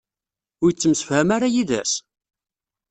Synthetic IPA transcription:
ʊɾjt͡sːəmsə̥fhæmaɾajiðæ̰s

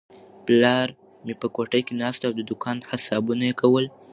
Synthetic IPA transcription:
plɑɾ | mepəkoʈəjkenɑst̪aawd̪əd̪ʊkʰɑnhasɑbunajekawəl

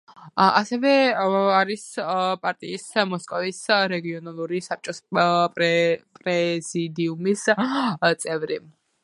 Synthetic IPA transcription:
a̰sɛvɛaɾispʼaɾt̪ʼḭːsmɔskʼɔvisɾɛɡiɔnalˠuɾisap̚t͡ʃʼɔspʼɛpʼɾɛzid̪iumist̪sʼɛvɾi

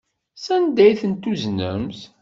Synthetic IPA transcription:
sænd̪æjθənt̪uznə̰mθ

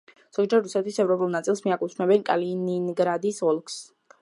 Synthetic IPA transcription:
z̥ɔɡd͡ʒɛɾɾusɛt̪ʰwisɛvɾɔpʼulˠnat̪sʼilˠsmiakʼut̪sʰmɛbɛnkʼa̰lininɡɾad̪isɔlˠks

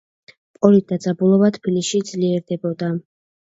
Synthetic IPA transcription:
pʼɔlit̪̚d̪ad̪zabulˠɔvat̪ʰpilisʃid̪z̥liɛɾd̪ɛbɔd̪a

